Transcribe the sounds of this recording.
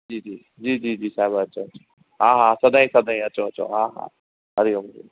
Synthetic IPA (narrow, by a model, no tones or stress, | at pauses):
d͡ʒiːd͡ʒiː | d͡ʒiːd͡ʒiːd͡ʒiːsaːbaət͡ʃʰoːt͡ʃo | ɦãːɦãsɐd̪ãĩsɐd̪ʱãĩət͡ʃʰoət͡ʃʰo̰ɦãːɦã̰ː | ɦɐɾiɦomḭ